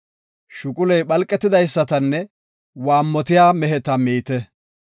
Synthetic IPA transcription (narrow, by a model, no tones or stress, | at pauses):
ʃʊkʼʊlɛjɓɐlkʼːɛt̪ːɪd̪ɐjsːɐt̪ɐnːɛ | waːmːɔt̪ɪjaːmɛɦhɛt̪ɐmiːt̪ɛ